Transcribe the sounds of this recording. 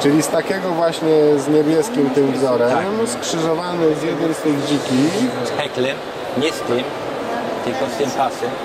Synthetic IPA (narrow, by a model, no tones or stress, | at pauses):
t͡ʂɘlʲist̪akʲɛɡɔvwaɕɲɛzɲɛbʲjɛskʲimt̪ɪmvzɔɾɛmmskʂɘʐɔvanɛzjɛd̪ɛmst̪ɘɣd͡ʑikʲiɛklɛm | ɲɛst̪ɪm | t̪ɘlkɔst̪ɛmpasɛ